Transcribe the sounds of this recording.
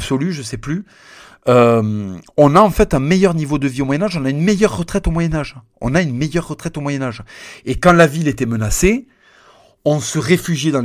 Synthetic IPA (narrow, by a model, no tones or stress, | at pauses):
bsɔlyʒəsɛply | ømɔ̃naɑ̃fɛt̪ɛ̃mejœʁnivod̪əviomwajɛnaʒɔ̃naynmejœʁːət̪χɛt̪omwajɛnaʒ | ɔ̰̃naynmejœʁːət̪χɛt̪omwajɛnaʒekɑ̃lavilet̪ɛmənase | ɔ̃səʁefyʒjed̪ɑ̃